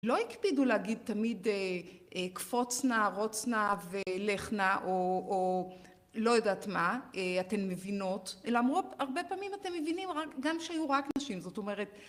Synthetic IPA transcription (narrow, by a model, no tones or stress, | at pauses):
lo̞ikpiduleaɡid̪̚tamideekfo̞t͡snaʁo̞t͡snavele̞χnaʔoː | lo̞jodatmaeate̞nme̞vino̞telaamʁuaʁbepaːmimate̞mːevinimʁakɡamʃeajuʁaknaʃimzo̞to̞me̞ʁe̞t